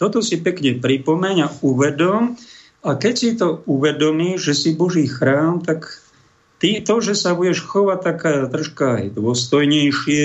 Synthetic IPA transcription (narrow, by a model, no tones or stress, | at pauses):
t̪ɔt̪ɔsipɛkɲɛpɾipɔmɛɲauʋɛd̪ɔm | akɛcsit̪ɔuʋɛd̪ɔmiːʒɛsibɔʒiːxɾaːmt̪ak | t̪it̪ɔʒɛsabuɟɛʃxɔʋac̚t̪akaːt̪rɔʃkaa̰jd̪ʊɔst̪ɔjɲɛjʃɪɛ